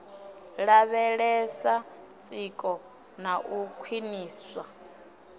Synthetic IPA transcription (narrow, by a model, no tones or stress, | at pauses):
ɺaβɛɺɛsa | t͡sʼikʼɔ | naʔukʰwiniːswa